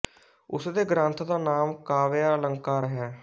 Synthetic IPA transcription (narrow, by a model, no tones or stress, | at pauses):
ʊsd̪eːɡɾãːnt̪ʰd̪aːnaːmkaːʋeaːləŋɡkaːɾɦɛː